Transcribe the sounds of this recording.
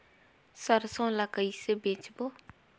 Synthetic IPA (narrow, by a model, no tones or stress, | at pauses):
sarsoŋlakajisəbet͡ɕʰəpo